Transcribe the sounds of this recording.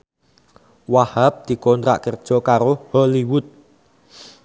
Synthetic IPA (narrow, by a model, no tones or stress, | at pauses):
wahap̚d̪̥i̤kɔnt̪ɾa̰ʔkərd̥ʒ̥ɔ̤kaɾohɔliwʊt̪̚